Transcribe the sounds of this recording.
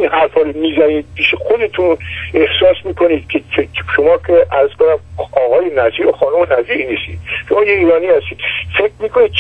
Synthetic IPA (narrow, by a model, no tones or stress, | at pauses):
inhæɾfhɒːɾomiːzæniːd̪̚bʰiʃexod̪e̞t̪ʰune̞hsɒːsmiːkʰo̞niːd̪̥kʲʰet͡ʃʰeʃomɒːkʰeʔæɾzkonæmɒːɣɒːjenæziːɾoxɒːnumenæziːɾiniːst̪ḭːd̪̥ʃomɒːjeiːɾɒːniːhæst̪iːd̪̥fekʰmiːkʰonid̪̚